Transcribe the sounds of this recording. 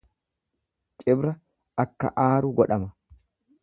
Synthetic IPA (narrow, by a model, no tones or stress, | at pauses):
t͡ʃʼɪbɾɐ | ɐkːɐ̰ʔaːɾʊɡɔᶑɐmɐ